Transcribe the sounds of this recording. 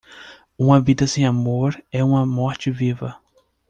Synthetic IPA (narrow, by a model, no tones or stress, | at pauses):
ũmɐvid̪ɐsẽj̃amoɾɛũmɐmɔɾt͡ʃɪvivɐ